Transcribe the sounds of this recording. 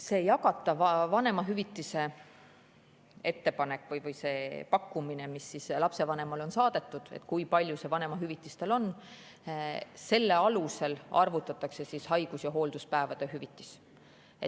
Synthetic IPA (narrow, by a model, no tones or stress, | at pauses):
se̞ːjɑkɑt̪ːˑɑvɑvɑne̞mɑɦyvit̪ːˑise̞ | e̞t̪ːe̞pɑnekːˑvɯjvɯjse̞ːpɑkːumine̞misːislɑpse̞vɑne̞mɑlo̞nsɑːd̪̥e̞t̪ːˑud̪̥ḛt̪kujpɑlʲjuse̞vɑne̞mɑɦyvit̪ˑːist̪e̞lo̞n | se̞lːe̞ɑluse̞lɑ̰rvut̪ːˑɑt̪ːˑɑkse̞sishɑjɡ̥usjɑɦo̞ːld̪̥uspæe̞vɑd̪̥e̞ɦyvit̪ːˑis | e